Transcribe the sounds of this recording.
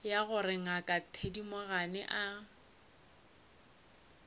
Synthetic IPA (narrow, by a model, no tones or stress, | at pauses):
jaɣʊrɪŋ̩akʼatʰedimoɣanɛ̰ʔa